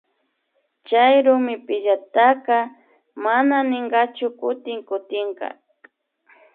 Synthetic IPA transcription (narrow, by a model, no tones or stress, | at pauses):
t͡ʃajɾʊmɪpɪʎat̪aqɑ | mananɪɴɢɑt͡ʃʊkʊt̪ɪŋkʊt̪ɪɴqɑ̰